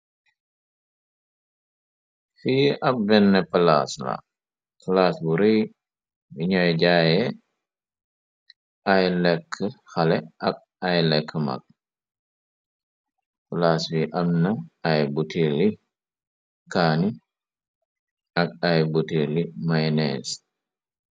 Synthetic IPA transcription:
fiʔɐb̚ːɛnːɛpəla̰sla̰ | pəlaːsbuɾej | biɲɔjɟaːjɛ | ɐjlɛkʰːəxɐlɛɐk̚ | ajlɛkʰːəma̰k̚ | pəlaːswiʔɐmnɐːjbutʰili | kaːni | ɐk̚ajbutilimajnɛ̰s

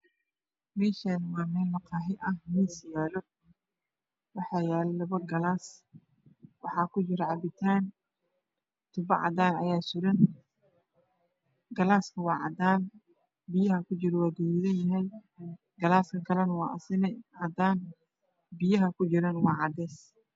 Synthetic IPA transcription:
mɛːʃanwɑːmɛːlmɐqɑːɦɪʔɐhmiːsɪjaːlɔ | wɑħɑːjaːlɛlɐβɐɡɐlaːs | wɑħɑːkʰʊt͡ʃɪɾɛʕɑbɪt̪ʰaːn | t̪ʰʊbɐʕɑ̰d̪aːnɐ̰jaːsʊɾɐn | ɡɐlaːskʰɐwɑːʕɑ̰d̪aːn | bɪjɐɦɐkʰʊt͡ʃɪɾɔwaːɡ̪uːɾɪðɐjɪɦɛj | ɡ̥ɐlaːskʰɐkʰɐlɐnɐwɑːʔɐ̰sɪnɛʕɑd̪aːn | bɪjɐɦɐkʰʊt͡ʃɪɾɐnwɑːʕɑd̪ɛːs

